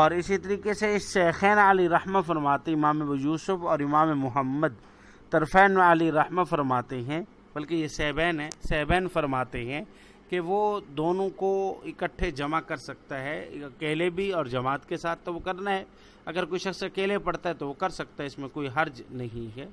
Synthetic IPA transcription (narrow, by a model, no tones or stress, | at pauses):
ɔːɾɪsit̪ɐɾiːkeseɪsʃɛːxɛːnəliɾɐhmafɐɾmaːt̪eɪmaːmebjuːsʊfɔːɾɪmaːmemʊɦəmːəd̪̚ | t̪ɐɾfɛːnəliɾɐhmafɐɾmaːt̪eɦɛ̃ | bɐlkejesɛːbɛːnɦɛ̃sɛːbɛːnfɐɾmaːt̪eɦɛ̃ | keʋod̪oːnõkoɪkəʈʰːed͡ʒɐmakɐɾsɐk̚t̪aɦɛɐkeːlebʱiɔːɾd͡ʒɐmaːt̪kesaːt̪̚ʰːoʋokɐɾnaɦɛː | ɐɡəɾkoːiʃɐxsɐkeːlepɐɽt̪aɦɛt̪oʋokɐɾsɐk̚t̪aɦɛɪsmẽkoːiɦɐɾd͡ʒnɐɦĩɦɛː